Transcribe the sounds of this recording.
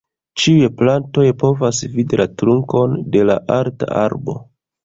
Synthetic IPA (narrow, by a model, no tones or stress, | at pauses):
t͡ʃiujeplanto̞jpo̞vasvidilatɾuŋko̞nde̞laʔaɾta̰ʔa̰ɾbo̞̰